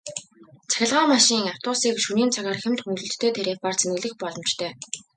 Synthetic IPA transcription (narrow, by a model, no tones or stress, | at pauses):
t͡sʰæ̥xʲɪ̆ɮʁaːmaʃiːŋaw̥t̪ʊːsiːkʃuniːnt͡sʰaɣaːrxemt̪xuŋɮɵ̆ɬt̪ːʰeːt̪ʰeɾeːpaːrt͡sʰenɣɘ̆ɮɘ̆xpɔɮɞ̆mt͡ɕt̪ʰœː